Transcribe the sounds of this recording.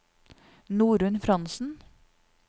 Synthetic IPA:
nuːɾʉnfɾɑnsn̩

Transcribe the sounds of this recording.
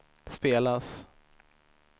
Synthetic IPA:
speːlas

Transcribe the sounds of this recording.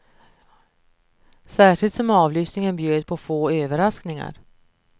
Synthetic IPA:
sæːʂɪlt̪sɔmɑːvlyːsnɪŋənbjøːd̪̚pʰɔfoːøːvəɾasknɪŋa̰ɾ

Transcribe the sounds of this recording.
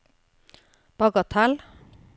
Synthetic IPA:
b̥ʌɡʌt̪ʰal

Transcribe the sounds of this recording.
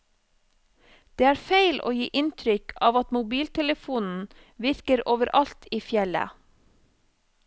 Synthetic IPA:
d̪̥eːæːɾfeɪlʔo̰ːjiːʔɪnt̪ʰɾʏkʰɑːʋɑt̪mʊbiːlt̪ʰɛləfuːnn̩ | ʋɪɾkəɾoːʋəɾʔɑlt̪iːfjɛlə̰

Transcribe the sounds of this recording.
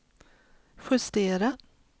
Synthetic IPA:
ɧɵst̪eːɾa

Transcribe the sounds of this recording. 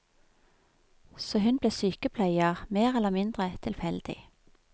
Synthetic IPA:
soːhʉnbleːsyːkəpʰlæɪəʁmeːʁɛləmɪnd̪ʁət̪ʰɪlfɛld̪̥ɪ̰

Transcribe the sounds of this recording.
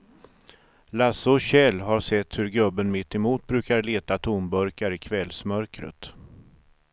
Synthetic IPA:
lasʊɕɛlːɦaɾʂɛt̪ːhɵɾɡɵbːənmɪt̪ːɛmuːt̪̚bɾʉ̟ːkaɾɭeːt̪at̪ʰumbœɾkaɾɪkʰvɛlsmœɾkɾə̰t̪

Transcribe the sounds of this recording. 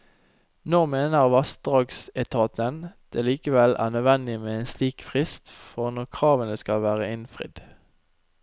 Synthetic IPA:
nɔʁmeːnəʁʋɑst̪̚d̪ʁɑːɡsɛt̪ʰɑːt̪ənd̪̥eːliːkəʋɛlʔæ̰ːʁnœʋɛnd̪ɪmeːeːnsliːkfʁɪst̪fɔʁnɔʁkʰʁɑːʋənəskɑlʋæːʁəɪnfʁɪ̰d̪̥

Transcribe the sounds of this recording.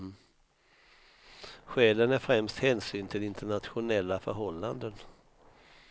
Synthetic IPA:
ɧɛːlənæɾfɾɛmst̪hɛːnsyːnt̪ʰɪlɪnt̪əɳat̪ɧʊnɛlːafœɾɦɔlːand̪ən

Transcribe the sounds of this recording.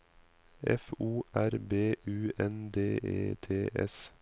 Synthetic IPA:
ɛ̰fuːʔæɾbeːʔʉːɛnd̪eːḛːt̪ʰeːʔɛ̰s

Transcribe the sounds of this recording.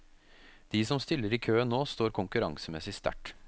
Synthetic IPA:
d̪̥iːsɔmst̪ɪlːəɾikʰøːənːoːst̪oːɾkʰʊŋkʉɾɑ̰ŋsəmɛsɪst̪æ̰ʈ

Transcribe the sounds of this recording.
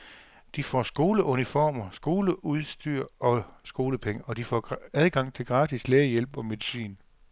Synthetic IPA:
d̥ifɒ̰ːsɡ̥o̝ːləʔunifɒːmɐsɡ̥o̝ːləuð̞ˠsd̥yɐ̰ɒ̽sɡ̥o̝ːləpʰeŋəɒ̽d̥ifɒːæð̞ˠɡ̥ɑ̈ŋ̰t͡sʰe̝lɡ̥ʁɑ̈ːdisleːjel̰b̥ɒ̽me̝ðˠisḭːn

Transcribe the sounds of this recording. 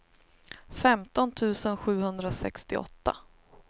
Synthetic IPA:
fɛmt̪ɔnt̪ʰʉ̟ːsənɧʉ̟ːhɵnd̪ɾasɛ̰kst̪ɪɔ̰t̪ːa̰

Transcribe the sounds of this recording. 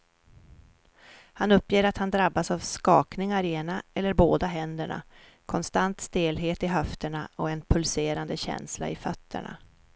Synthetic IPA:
hanɵpːjeːɾat̪hand̪ɾabːasavskɑːknɪŋaɾɛnaɛlːəɾboːd̪aɦɛnd̪əɳa̰ | kʰɔnst̪ant̪st̪eːlɦeːt̪ɪɦœft̪əɳaɔɛnpʰɵlseːɾand̪əɕɛ̰nsla̰ɪfœt̪ːə̰ɳa̰

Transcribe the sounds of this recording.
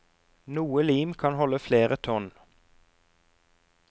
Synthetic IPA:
nuːəliːmkʰɑnhɔləfleːʁət̪ʰɔn

